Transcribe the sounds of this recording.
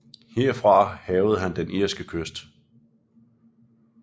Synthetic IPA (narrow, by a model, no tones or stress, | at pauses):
heɐ̰fʁɑ̈hɛːʊð̞̩ˠɦænd̥enʔiɐ̰sɡ̥əkʰøsd̥